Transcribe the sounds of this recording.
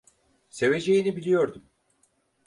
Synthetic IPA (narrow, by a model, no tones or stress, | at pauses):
se̞ve̞d͡ʒe̞jinibilʲijo̞ɾd̪um